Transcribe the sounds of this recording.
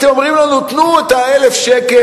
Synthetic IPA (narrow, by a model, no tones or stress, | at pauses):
t̪emomʁimlanut̪nuet̪aelefʃeke